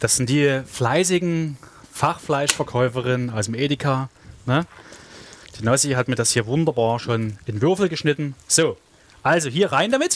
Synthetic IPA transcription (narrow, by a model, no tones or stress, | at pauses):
d̥asz̥ɪnt̚d̥iːflaɪs̬ɪɡŋ̩faχflaɪʃfɐkʰɔʏfəʁɪnnʔaʊsmʔeːdɪkʰaːnə | d̥iːnɔsiɦatmiːɐdashiːɐvʊndɐbaːɐʃoːnʔɪnvʏɐfl̩ɡəʃnɪtn̩z̥oː | ʔalzoɦiːɐʁaɪndamɪt